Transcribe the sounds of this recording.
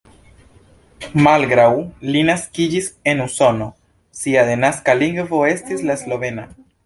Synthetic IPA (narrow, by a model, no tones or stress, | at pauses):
malɡɾawlinaskid͡ʒise̞nuso̞no̞ | siaðe̞naskaliŋɡvo̞e̞stislaslo̞ve̞na